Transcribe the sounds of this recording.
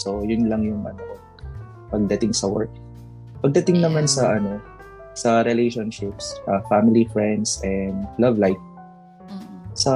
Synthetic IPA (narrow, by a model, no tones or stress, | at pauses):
so̞jʊnlɐŋjʊŋʔɐ̰no | pɐɡ̚d̪ɐt̪ɪŋsɐwɛ̰ɹk̚ | pɐɡ̚d̪ɐt̪ɪŋnɐmansɐʔɐno̞ | sɐɾɛlejʃonʃɪpsɐfamɪlifɹɛnd̪sʔɛnd̪lɐvlajf | sɐ